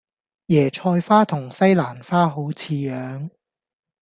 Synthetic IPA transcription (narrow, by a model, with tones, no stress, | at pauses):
jɛː˨˩t͡ʃʰɔː˧jfaː˥t̪ʰʊ˨˩ŋsɐ˥jlaː˨˩nfaː˥ɦo˨˥wt͡sʰiː˧jœː˨˧ŋ